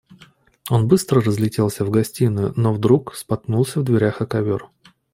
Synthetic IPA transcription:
o̞nbɨst̪ɾərəzlʲɪtʲe̞lˠsʲəvɡɐsʲtʲinʊjʊnovd̪ɾukspɐt̪nulˠsʲəvd̪vʲɪɾʲaxɐkɐvʲor

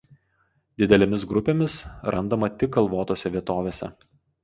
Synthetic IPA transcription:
d̪ʲɪd̪ʲɛlʲemʲɪsɡɾʊpʲeːmʲɪsɾʔɐnd̪ɐmɐt̪ʲɪkːɐlˠʋoːt̪oːsʲɛʋʲiɛt̪oːʋʲeːsʲɛ̰

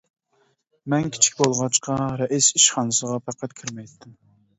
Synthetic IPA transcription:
mɛnkʲʰi̥t͡ʃʰi̥kʲbolˠʁɑt͡ʃqɑɾɛʔisiʃχɑnɨsəʁɑpʰæqʰæt̪kʲʰiɾmɛjt̪ːɪm

